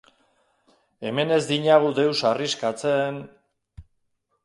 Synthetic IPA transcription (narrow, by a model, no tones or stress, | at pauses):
e̞me̞ne̞zd̪iɲaɣ̞ud̪e̞wsariskat͡se̞n